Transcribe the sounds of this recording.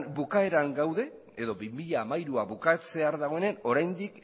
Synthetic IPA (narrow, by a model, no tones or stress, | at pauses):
nbukae̞ɾaŋɡawðe̞ | eðo̞bimiʎaːmajɾuaβukat͡se̞aɾðaɣ̞o̞e̞neno̞ɾajnd̪ik